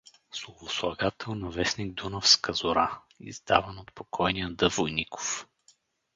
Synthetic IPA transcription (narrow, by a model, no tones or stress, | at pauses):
slˠovoslˠɐɡat̪ʰɛlˠnɐvɛsniɡ̚d̪unəfskəzʊɾa | ḭzd̪a̰vənot̪pokʰɔjnijəd̪ɤvojnikʰo̥f